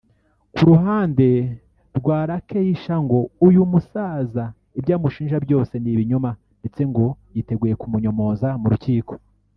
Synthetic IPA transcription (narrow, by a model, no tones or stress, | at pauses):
kuɾuɦaːnde̞ | ɾɡwaːɾake̞jiʃaŋɡo̞ujumusaːza | ibjaːmuʃiːnʒabjo̞ːse̞niβiɲuma | nde̞t͡se̞ŋɡo̞jite̞ɡuːje̞kumuɲomo̞ːzamuɾuciːko̞̥